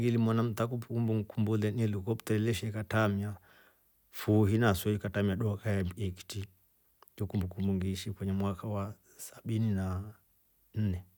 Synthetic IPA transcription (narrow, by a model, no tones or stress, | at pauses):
ɡilimɔnam̩takupkumbuŋkumbulɛnɛlukɔptɛɛlɛʃɛkatamia | fuɦinasɛikatamiaɗɔkajaɛki̥ti | d͡ʒɔkumbukumbuŋɡiʃikwɛɲɛmwakawa | sḁɓinina | n̩nɛ